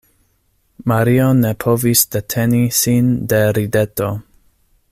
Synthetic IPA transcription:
maɾione̞pʰo̞visde̞tʰe̞nisinde̞ɾide̞to̞

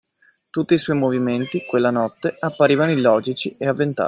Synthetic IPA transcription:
t̪ut̪ːiːswɔjmoviment̪ikwelːanɔt̪ːeapːaɾiːvanoilɔːd͡ʒit͡ʃieavːent̪a̰

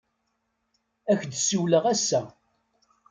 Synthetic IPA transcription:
æçd̪suwləʁæsːæ

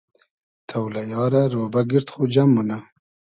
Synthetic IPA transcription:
t̪ʰawlajɑːɾaɾobaɡɪɾt̪χod͡ʒamːʊna

